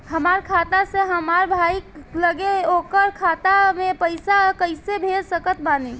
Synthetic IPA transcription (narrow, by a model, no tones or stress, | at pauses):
həmaɾkʰat̪aseɦəmaɾbʱailəɡeokəɾkʰat̪amepəjsakəɪsebʱeɾsəkət̪̚bani